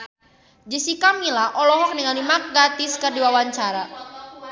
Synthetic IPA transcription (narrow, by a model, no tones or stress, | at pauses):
d͡ʒisikamilaʔɔlɔɦɔk̚nəŋalimak̚ɡat̪ɪskərdiwawaɲt͡ʃaɾa